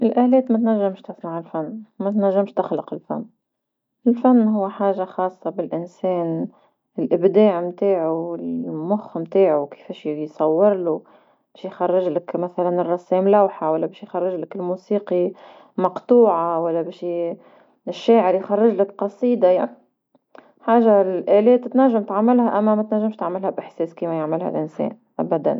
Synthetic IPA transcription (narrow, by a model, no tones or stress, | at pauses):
ʔɪlʔæːlɛːt̪mæt̪næʒːɪmʃt̪ɪsnaʕɪlfanːmæt̪næʒːɪmʃt̪ɪxlʊqɪlfa̰nː | ʔɪlfanːɦʊwːħaːʒːaxɑːsˤːɑbɪlʔɪnsɛːn | ɪlʔɪbd̪aːʕmt̪aːʕuɪlmʊxmt̪aːʕuwkɪ̥fɛːʃjsˤɑwːɪɾlu | bɛːʃjxɑrˤːɪʒlɪkmaθalanɪrˤːɑsːeːmlawħawalːabeːʃjxɑrˤːɪʒlɪkɪlmuːsiːqi | mɑqt̪ˤuːʕawalːabeːʃ | ɪʃːaːʕɪɾjxɑrˤːɪʒlakqɑsˤiːd̪ɑja̰ʕni | ħaːʒalʔaːleːt̪ːɪt̪naʒːamt̪ʕamːaɪlhaʔamːamat̪naʒːamʃt̪aʕmɪlhabʔɪħseːskiːmajaʕmɪlha̰lʔɪnsḛːn | ʔabad̪a̰n